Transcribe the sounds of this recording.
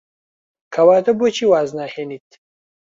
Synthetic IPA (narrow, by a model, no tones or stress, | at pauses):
kʰɐwaːt̪ɐbut͡ʃʰiːwaːznaːheːniːt̪̚